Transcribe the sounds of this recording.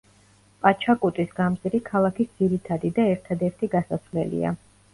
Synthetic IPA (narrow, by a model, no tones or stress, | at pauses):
pʼat͡ʃʰakʼut̪ʼisɡamsʼiɾikʰalˠakʰisd̪z̥iɾit̪ʰad̪id̪aɛɾt̪ʰad̪ɛɾt̪ʰiɡasasvlɛ̰lḭa̰